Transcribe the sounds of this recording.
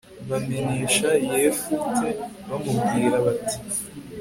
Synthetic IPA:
βameɲiːʃajeːfuteβamubɡiːɾaβatʰi̥

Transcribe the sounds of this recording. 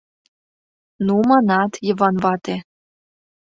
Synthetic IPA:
numɑnɑt̪jəvɑnvɑt̪e

